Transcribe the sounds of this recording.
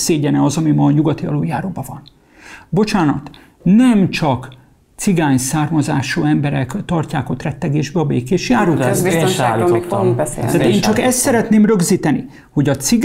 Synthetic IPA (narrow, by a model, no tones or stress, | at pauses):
seːɟɛnɛɒzɒmimɒːɲuɡɒt̪iɒ̰loːjaːɾoːbɒvɒn | bo̞t͡ʃaːnɒ̰t̪ | nɛmt͡ʃɒk | t̪siɡaːɲsaːrmɒzaːʃoːɛmbɛɾɛkt̪ɒrcaːko̞t̪rɛt̪ːɛɡeːʒbɛɒbḛːkeːʃjaːɾuːɛialiek̪oubɛsḛt̪aeeːnt͡ʃɒkɛst̪sɛɾɛt̪neːmrø̞ɡziːt̪ɛni | ho̞ɟɒt̪siɡ